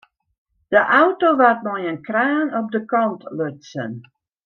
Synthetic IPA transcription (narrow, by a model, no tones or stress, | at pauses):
d̥əʔawtoʋat̚mɔjənkraːnɔp̚dəkɑntløtsə̰n